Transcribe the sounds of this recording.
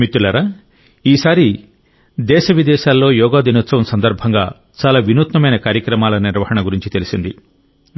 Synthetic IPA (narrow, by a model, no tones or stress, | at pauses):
mit̪ːulɐɾa | iːsaːɾi | d̪ɛːʃɐʋid̪ɛːʃaːlːo̞ːjɔːɡaːd̪inut̪sɐʋɐmsɐnd̪ɐɾbʱɐŋɡaː | t͡ʃaːlaːʋinuːt̪nɐmɐjnɐkaːɾjɐkɾɐmaːlɐniɾʋɐhɐɳɐɡuɾiɲt͡ʃit̪e̞lisind̪i